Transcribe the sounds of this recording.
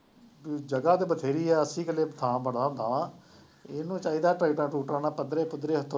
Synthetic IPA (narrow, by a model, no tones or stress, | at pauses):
d͡ʒəɡaːt̪eːbət̪ʰeːɾiːɛːəsĩːkəleːbət̪ʰãːbəɽãːd̪aːaː | ɪnũːt͡ʃaːiːd̪aːʈɾəːʈãːʈuːʈɾaːnãːpəd̪ɾeːpʊd̪ɾeːɦət̪ʰo